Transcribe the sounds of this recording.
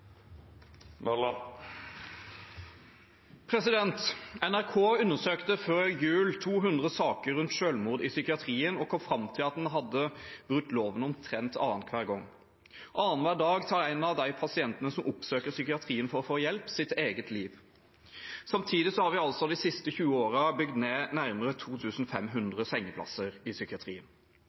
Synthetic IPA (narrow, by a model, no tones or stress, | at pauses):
ml | pʰɾɛsɪd̪ɛnt̪ɛnæʁkʰoːʉnːəsøːkt̪əføːɾjʉːlt̪ʰuːɦʉnd̪ʁəsɑːkəɾːʉnt̪ʃøːlmuːd̪ɪsʏkɪɑt̪ʰɾiːənɔkʰɔmfɾɑmt̪ʰɪlɑt̪̚d̪ɛnɦɑd̪ːəb̥ɾʉk̚t̪ːloːʋənɔmt̪ʰɾɛnt̪ɑ̰ːənkʰʋæːʁɡɔŋː | ʔɑːənʋæːɖ̪ɑːɡt̪ʰɑːɾæɪnɑʋd̪æɪpʰɑsɪɛnt̪ənəsɔmʔʊpsøːkəsʏkɪɑt̪ʰɾiːənfɔɾɔfoːjɛlpsɪt̪eːɡət̪ʰliːʋ | sɑmt̪ʰiːd̪ɪsɔhɑɾʋɪɑlsɔɑd̪ɪsɪst̪əçʉːəoːɾɑbʏɡd̪neːnæɾməɾət̪ʰuːt̪ʰʉːsn̩fɛmɦʉnd̪ʁəsɛŋːəpʰlɑ̰səɾɪsʏkɪɑt̪ʰɾḭːən